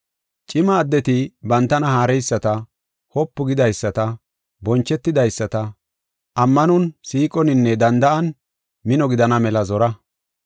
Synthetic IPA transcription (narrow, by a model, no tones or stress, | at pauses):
t͡ʃʼɪmɐːd̪ːɛt̪ɪbɐnt̪ːɐnɐhaːɾɛjsːɐt̪ɐ | hɔpːʊɡɪd̪ɐjsːɐt̪ɐ | bɔnt͡ʃːɛt̪ːɪd̪ɐjsːɐt̪ɐ | ʔɐmːɐnɔnsiːkʼɔnɪnːɛd̪ɐnd̪ɐʔɐn | mɪnɔɡɪd̪ɐnɐmɛlɐzɔɾɐ